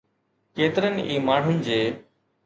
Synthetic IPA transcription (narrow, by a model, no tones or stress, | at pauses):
keːt̪ɪɾənɪʔiːmaːɽ̤ʊnɪ̆d͡ʑeː